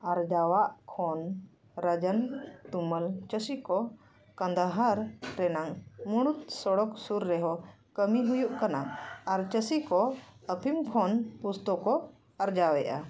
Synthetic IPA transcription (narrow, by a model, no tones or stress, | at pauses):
aɾd͡ʒawaʔkʰɔn | ɾəd͡ʒənt̪uməlt͡ʃəsikɔ | kãnd̪aɦaɾːɛnaŋmuɽ̃ut̪̚sɔɽɔksuɾːɛɦɔ | kəmiɦujuʔkanaaɾt͡ʃəsikɔəpʰimkʰɔnpust̪ɔkɔ | aɾd͡ʒawɛʔa̰